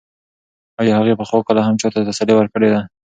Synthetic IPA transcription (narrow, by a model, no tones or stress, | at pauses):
ɑjɑhaɣepəxwokəlahamt͡ʃɑt̪at̪asalewəɾkəɽed̪a